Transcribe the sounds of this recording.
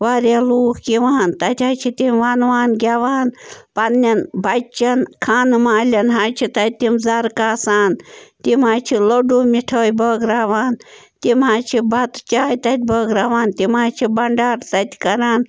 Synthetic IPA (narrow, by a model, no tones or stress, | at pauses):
ʋaːɾʲaluːkkiʋaːnt̪ɐt̪ʲat͡ʃʰit̪imʋanʋaːnɡʲaʋaːnpɐnːɐnbɐt͡ʃːɐnkʰaːnmaːlʲɐnɦat͡ʃʰit̪ɐt̪̚ʲt̪imzɐɾkaːsaːnt̪imɦaːt͡ʃʰiloɖumiʈʰəːjbəːɡɾaːʋaːn | t̪imɦaːt͡ʃʰibɐt̪t͡ʃaːjt̪ɐt̪̚ʲbəːɡɾaːʋaːnt̪imaːt͡ʃʰibɐɳɖaːɾt̪ɐt̪ʲʰkɐɾaːn